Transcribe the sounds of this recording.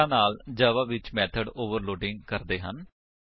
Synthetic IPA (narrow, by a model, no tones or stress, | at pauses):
ãːnaːld͡ʒəːʋaːʋɪt͡ʃmɛːt̪ʰəɖoːʋəɾloːɖɪŋɡkəɾd̪eːɦən